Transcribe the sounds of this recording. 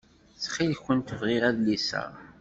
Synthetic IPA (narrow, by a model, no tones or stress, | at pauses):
θχilçʷənt̪əvʁiʁæðlisæ̰